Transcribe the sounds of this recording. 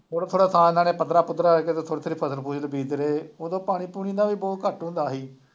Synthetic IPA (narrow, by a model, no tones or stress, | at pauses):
tʰoːɽaːt̪ʰoːɽaːt̪ʰaːɪnãːnẽːpəd̪ɾaːpʊt̪ːɾaːeːk̬et̪eːt̪ʰoːɽet̪ʰoːɾiːpʰəsəɾpuːd͡ʒləbiːd̪ɾeːoːd̪õːpaːɽ̃iːpuːniːd̪aːʋiːbɔːt̪̚kəʈɦʊ̃nd̪aːɦiː